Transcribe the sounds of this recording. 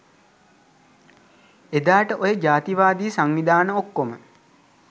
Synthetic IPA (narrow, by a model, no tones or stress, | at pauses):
ed̪aːʈəʔojəd͡ʒaːt̪iʋaːd̪iːsaŋnid̪aːnəokːomə